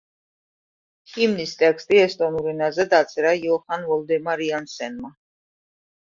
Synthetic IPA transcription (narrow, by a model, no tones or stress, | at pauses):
himnist̪ʼɛkst̪ʼiɛst̪ʼɔnuɾinazɛd̪at̪sʼɛɾajɔχanvɔld̪ɛmaɾiansɛnma